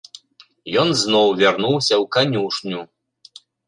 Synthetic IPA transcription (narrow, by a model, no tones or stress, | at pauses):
jɔnznɔwvʲarnuwsʲɐwkanʲuʂnʲu